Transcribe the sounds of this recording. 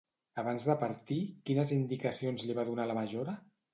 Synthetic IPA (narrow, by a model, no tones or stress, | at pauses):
əβanzðəpəɾt̪ikinəzind̪ikəsionzliβ̞aðunaləməʒoɾə